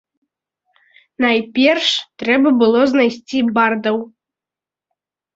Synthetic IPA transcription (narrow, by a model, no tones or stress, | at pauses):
najpʲɛrʂt̪ɾɛbɐbɨlˠɔznajsʲt͡sʲibard̪ɐw